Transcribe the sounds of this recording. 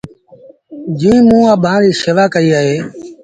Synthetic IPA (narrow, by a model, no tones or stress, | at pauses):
d͡ʒĩːmũːãːbʱãːɾiːseːʋaːkəiːaːɦeː